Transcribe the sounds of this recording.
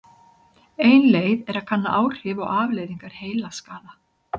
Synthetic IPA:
eːjnleːjðɛɾaðkʰanːaʔaːwr̥ɪːvɔ̰ɣaːvleːjðiŋkaɾ̥heːjlaskaːða

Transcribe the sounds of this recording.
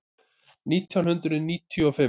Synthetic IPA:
niːt̪ʰjawnhʏnt̪ɾʏðniːt̪ʰːjʏɔfɪ

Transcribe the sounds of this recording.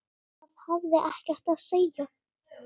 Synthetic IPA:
aðhavðɪʔahcɛɾ̥t̪aðsejːa

